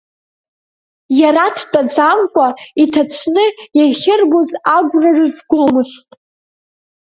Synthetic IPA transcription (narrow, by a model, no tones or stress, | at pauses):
jaɾatʰt͡pʼad͡zamkʷʼaitʰat͡ɕʷʰnɨjaχʲɪrbozaɡʷrarɨzɡʷomɨstʼ